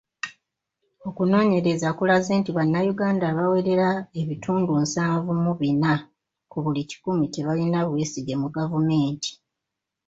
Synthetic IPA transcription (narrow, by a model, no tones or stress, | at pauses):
o̞kuno̞ːɲe̞ɾe̞zakulaze̞ːntiβanːajuɡaːndaːβawe̞ɾe̞ɾae̞βitʰuːnduːnsaːɱvumuβina | kuβulici̥kumite̞βalinaβweside̞muɡavume̞ːntʰi̥